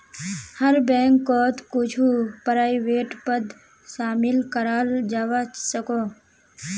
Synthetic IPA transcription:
həɾbɛ̃ːŋkːoːt̪kʊd͡ʒʰupəɾaːiʋeːʈpəd̪ | ʃaːmɪlkəɾaːld͡ʒaːʋasəkoː

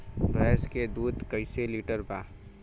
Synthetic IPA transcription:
bʱɾɛːsked̪uːd̪kəɪseliːʈəɾbaː

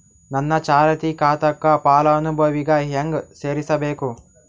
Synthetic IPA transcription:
nɐnːɐt͡ʃaːɾɐt̪ikaːt̪ɐkːapaːlɐnubɐʋiɡaːɦɐŋɡseːɾisɐbeːku

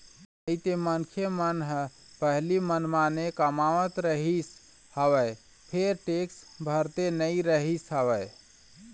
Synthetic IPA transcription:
əit̪emənkʰemənɦə | pəɦlimənmanekəmaʋət̪ɾəɦis | həʋəj | pʰeɾʈeksbʱəɾt̪enəiɾəɦisɦəʋəɪ

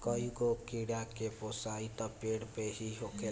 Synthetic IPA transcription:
kəiɡokiɽakeposait̪apeːɽpeɦiɦoke

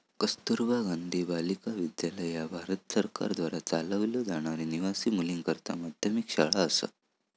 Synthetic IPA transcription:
kəst̪uɾbaɡand̪ʱibalikaʋid̪jaləjabʱaɾət̪səɾka̰ɾd̪ʋaɾat͡saləʋljəd͡zaɽ̃aɾiniʋasiːmuliŋkəɾt̪a̰mad̪ʱjəmikɕaɭaəsə̰

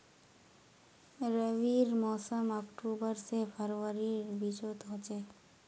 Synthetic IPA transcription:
ɾəʋiɾmɔsəmɔkʈubəɾsepʰəɾəɾiɾbid͡ʒot̪ɦot͡ʃe

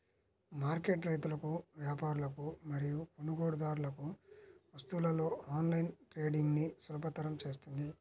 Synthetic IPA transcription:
maːɾke̞ːʈɾejt̪ulɐkuʋjaːpaːɾulɐkumɐɾijukonuɡo̞ːɽud̪aːɾulɐkuʋɐst̪uːlɐlo̞ːaːnlɐjnʈɾe̞ːɖiŋɡnisulɐpɐt̪ːɐɾɐmt͡ʃe̞ːs̬t̪und̪i

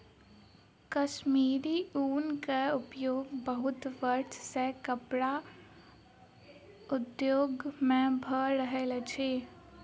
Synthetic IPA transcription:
kəʃmiːɾiuːnkeʊpjoːɡbəɦʊt̪ʋəɾʈ̪ʰsekəpɽa | ʊd̪joːɡmẽbʱəɾəɦelet͡ʃʰeː

